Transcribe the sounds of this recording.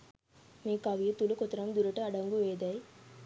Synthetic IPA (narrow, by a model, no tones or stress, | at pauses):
meːkɐʋijet̪ulukot̪ɐɾɐmd̪uɾɐʈɐɐɖɐŋɡuʋeːd̪ɐj